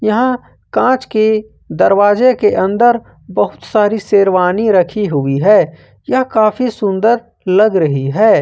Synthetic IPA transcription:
jɐɦã | kãːt͡ʃki | d̪ɐɾwaːd͡ʒekeʔɐ̃nd̪əɾ | bɐɦʊt̪saːɾiseːɾʋaːniɾɐkʰiɦʊiɦɛː | jɐɦkaːfʰisʊ̃nd̪əɾ | lɐɡɾɐɦiɦɛː

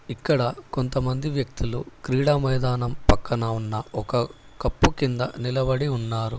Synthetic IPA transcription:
ikːɐɽɐko̞nt̪ɐmɐnd̪iʋjɐk̚t̪ilukɾiːɽaːmɐjd̪aːnɐmpɐkːɐnɐunːɐɔkɐ | kɐpːukind̪ɐ̰nilɐbɐɽiunːaːɾu

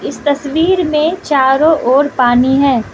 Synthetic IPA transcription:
ɪst̪ɐswiːɾmẽt͡ʃaːɾõʔɔːɾpaːniɦɛ̃ː

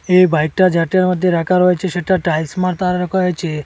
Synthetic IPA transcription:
ebʱajk̚ʈad͡ʒaʈjaɾməd̪ʱjeɾakaɾɦojt͡ʃʰeʃeʈaʈaismaɾt̪aɾɾəkoɦojt͡ʃʰe

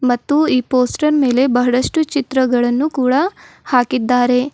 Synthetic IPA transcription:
mɐt̪ːuiːpoːsʈɐɾme̞ːle̞bɐɦɐɽɐʂʈut͡ʃit̪ɾɐɡɐɭɐnːukuːɽɐhaːkid̪ːaːɾe̞

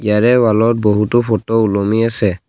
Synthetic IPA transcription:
ijaɹɛwalɔt̚boɦutɔpʰɔtɔulɔmiasɛ

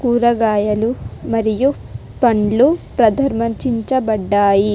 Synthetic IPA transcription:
kuːɾɐɡaːjɐlumɐɾiju | pɐɳlupɾɐd̪ʱɐɾmɐt͡ʃiɲt͡ʃɐbɐɖːaːji

